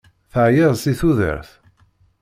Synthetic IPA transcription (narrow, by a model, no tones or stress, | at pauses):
θəʕjəðˤsiθuðə̰ɾθ